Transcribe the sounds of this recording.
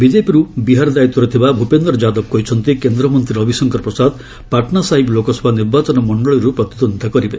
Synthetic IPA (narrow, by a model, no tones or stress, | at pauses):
bid͡ʒepiɾubiɦaɾɔd̪ait̪ːɔɾet̪ʰibabʱupend̪ɾɔd͡ʒad̪ɔb̚kɔɦit͡ʃʰɔnt̪ikend̪ɾɔmɔnt̪ɾiɔbʱisɔŋkɔɾpɾɔsad̪ | paʈnasaɦiblokɔsʰɔbʱaniɾbat͡ʃɔnɔmɔɳɖɔɭiɾupɾɔt̪id̪ɔnd̪ʱakɔɾibe